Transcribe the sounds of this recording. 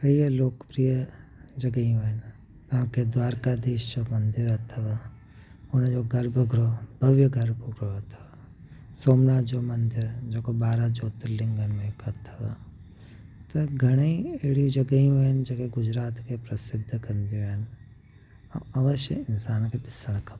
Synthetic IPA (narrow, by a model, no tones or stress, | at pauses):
kɐiəloːkpɾijəd͡ʒɐɡəiũɪn | t̪ɐɦãked̪waːɾkad̪eːʃd͡ʒomɐ̃nd̪ɪɾɐt̪ʰʋə | ʊnd͡ʒoɡɐɾbəɡɾobʱɐʋjəɡɐɾbəɡɾoɦɐt̪ʰʋə | soːmnaːt̪d͡ʒomɐnd̪ɪɾd͡ʒoːkobaːɾad͡ʒoːt̪ɾlɪ̃ŋɡənmẽkət̪ʰʋə | t̪ɐɡʱɐɽ̃eieɽid͡ʒɐɡəiũɪnd͡ʒoːkeɡʊd͡ʒɾaːt̪kepɾɐsɪd̪ʱːkɐnd̪ijõɦɪn | õ̰ɐʋəʃjə̰ɪnsaːnkepɪsəɽ̃kʰɐ